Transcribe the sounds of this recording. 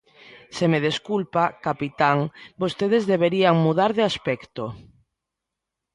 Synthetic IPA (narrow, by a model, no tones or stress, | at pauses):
semeð̞eskulpakapit̪aŋbost̪eðezðeβeɾiaŋmuð̞aɾðɪaspɛkt̪o